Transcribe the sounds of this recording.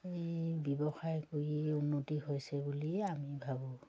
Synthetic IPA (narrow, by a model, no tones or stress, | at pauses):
ejbɔbɔxajkoɹiunːotiɦojsɛbuliamibʱabɔ̃